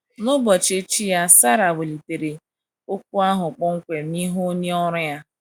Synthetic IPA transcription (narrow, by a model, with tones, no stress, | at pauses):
nʊ˦bɔ˨t͡ʃe˦t͡ʃi˦ja˦sa˦ɾa˨we˨li˨te˨ɾe˨ | o˦kʷu˦a˦ɦʊ˨k͡pɔ˦ŋ̩˦kʷe˨ni˦ɦo˦ɲe˦ɔ˦ɾʊ˦ja˦